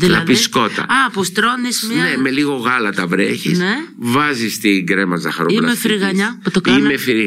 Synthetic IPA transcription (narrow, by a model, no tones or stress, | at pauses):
ðilɐɐðpisko̞t̪ɐ̰ɐpost̪ɾonismneme̞liɣo̞ɣɐlɐt̪ɐvɾeçisnevɐzist̪iɡɾe̞mɐzɐxɐɾoilmefiɾiɣɐɲɐput̪okɐimmefiɾ